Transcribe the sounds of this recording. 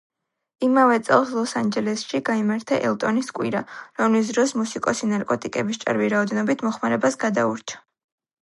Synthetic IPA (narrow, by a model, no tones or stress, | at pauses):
imavɛt̪sʼɛ̰lˠslˠɔsand͡ʒɛlɛsʃiɡaimaɾt̪ʰaʔɛ̰lˠt̪ʼɔniskʼwḭɾaɾɔmlis̬d̪ɾɔsmusikʼɔsinaɾkʼɔt̪ʼikʼɛbist͡ʃʼa̰ɾviɾaɔd̪ɛnɔbit̪ʰmɔχmaɾɛbasɡad̪auɾt͡ʃʰḁ